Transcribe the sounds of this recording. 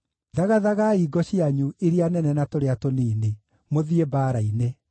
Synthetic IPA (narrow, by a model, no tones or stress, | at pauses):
ðaɣaðaɣaiɡɔɕiaɲueɾeanɛnɛnatoɾeatoniːne | moðiebaːɾaine